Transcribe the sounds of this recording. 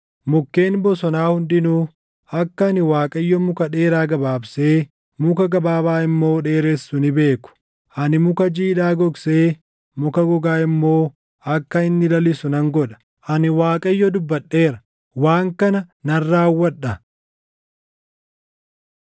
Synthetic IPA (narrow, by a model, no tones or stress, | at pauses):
mʊkːe̞ːnbɔsɔnaːhʊnd̪ɪnuː | ɐkːɐnɪwaːkʼɐjːɔmʊkɐᶑe̞ːɾaːɡɐbaːbse̞ː | mʊkɐɡɐbaːbaːɪmːo̞ːᶑe̞ːɾesːʊnɪbe̞ːkʊ̥ | ʔɐnɪmʊkɐd͡ʒiːᶑaːɡɔɡseː | mʊkɐɡɔɡaːɪmːo̞ː | ɐkːɐɪnːɪlɐlɪsʊnɐŋɡɔᶑɐ̥ | ʔɐnɪwaːkʼɐɪjːɔd̪ʊbːɐɗːe̞ːɾɐ̥ | waːŋkɐnɐnɐrːaːwːɐᶑɐ